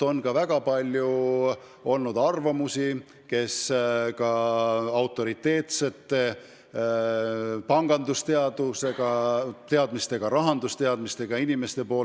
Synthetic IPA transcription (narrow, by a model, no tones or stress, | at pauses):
o̞nkɑvæɡ̥ɑpɑlʲju | o̞lnud̪̥ɑrvɑmusi | ke̞skɑɑwt̪ːˑo̞ɾit̪ːe̞ːt̪se̞t̪ːˑe | pɑŋɡ̥ɑnd̪ust̪e̞ɑd̪useɡ̥ɑt̪e̞ɑd̪̥mist̪e̞ɡ̥ɑɾɑɦɑnd̪̥ust̪e̞ɑd̪mist̪e̞ɡ̥ɑinime̞st̪e̞po̞ː